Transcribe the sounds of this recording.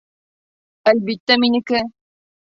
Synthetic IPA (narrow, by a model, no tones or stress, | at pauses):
ælbit̪ːæminɘ̆kɘ